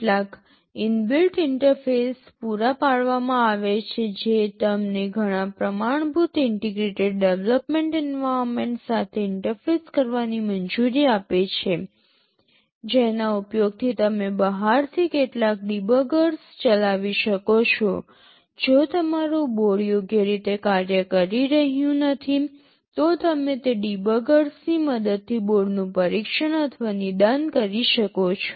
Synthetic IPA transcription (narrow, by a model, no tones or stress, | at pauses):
ʈlak | ɪnbɪlʈɪɳʈəɾfespuɾapaɭʋamãaʋet͡ʃʰed͡ʒet̪əmneɡʱəɽ̃ãpɾəmaɳ̃bʱut̪ɪɳʈeɡɾeʈeɖɖeʋləpmeɳʈɛnʋaɾmeɳʈsat̪ʰeɪɳʈəɾfeskəɾʋanimənd͡ʒuɾiapet͡ʃʰe | d͡ʒenaupjoɡ̚t̪ʰit̪əmebəɦaɾt̪ʰikeʈlak̚ɖibəɡəɾst͡ʃəlaʋiʃəkot͡ʃʰo | d͡ʒot̪əmaɾoboɭjoɡjeɾit̪ekaɾjəkəɾiɾəɦjũnət̪ʰi | t̪ot̪əmet̪eɖibəɡəɾsniməd̪əd̪̚t̪ʰiboɭnũpəɾikʃəɳət̪ʰʋanid̪ankəɾiʃəkot͡ʃʰo̥